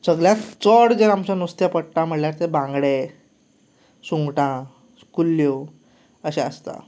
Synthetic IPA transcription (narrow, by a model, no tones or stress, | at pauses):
səɡljat͡sɔɽd͡ʑəɾamt͡ɕanust̪japəɽʈãm̤əɽljaɾt̪ebãŋɡɽe | sũŋɡʈã | kulːjo | əɕẽəst̪a̰